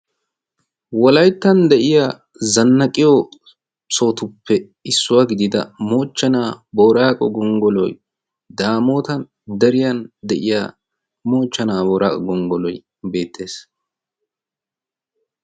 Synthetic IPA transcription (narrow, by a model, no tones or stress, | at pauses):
wɔlɐjt̪ːɐnd̪ɛʔɪja | zɐnːɐkʼːɪjo | so̞ːt̪ʊpʰːɛ | ɪsːʊwaːɡɪd̪ɪd̪ɐ̰mo̞ːt͡ʃːɐnaːbo̞ːɾaːkʼɔ̰ɡɔŋɡɔlɔ̰j | d̪aːmo̞ːt̪ɐn | d̪ɐɾɪjɐnd̪ɛʔɪja̰ː | mo̞ːt͡ʃːɐnaːboːɾʔa̰ːkʼɔɡɔŋɡɔlɔj | be̞ːt̪ʰːeːs